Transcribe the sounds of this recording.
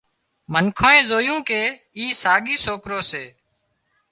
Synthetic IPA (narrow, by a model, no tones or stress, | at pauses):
mənkʰoːẽːzoːjũːkeː | iːsaːɠiːsoːkɾoːseː